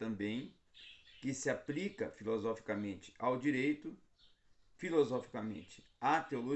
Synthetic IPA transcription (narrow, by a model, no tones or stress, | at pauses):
t̪ɐ̃mbẽj̃ | kɪsɪaplikɐ̰filozɔfi̥kamẽnt͡ʃɪ̥ʔawd͡ʒiɾejt̪ʊ | filozɔfi̥kɐmḛ̃nt͡ʃɪ̥ | at̪eolo